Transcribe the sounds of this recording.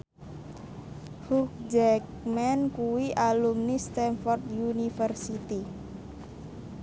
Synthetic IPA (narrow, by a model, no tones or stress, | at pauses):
huk̚d͡ʒɛk | mɛnkuwiʔalumnist̪ɛnfɔrt̪junifərsit̪i